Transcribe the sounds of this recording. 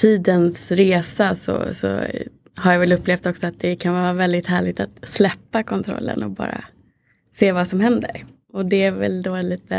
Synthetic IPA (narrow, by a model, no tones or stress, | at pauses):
t̪ʰiːd̪ənsɾeːsasɔ̰sɔ̰ | haɾjavɛlɵpːleːft̪ɔksɔat̪̚d̪ɛkʰanvɑːɾavɛld̪ɪt̪hæːɭɪɡ̚t̪at̪slɛpːakʰɔnt̪ʰɾɔ̰lːə̰nɔbɑ̰ːɾa̰ | seːvasɔmhɛnd̪ə̰ɾ | ɔd̪ɛæɾvɛ̰ld̪oːliːt̪ə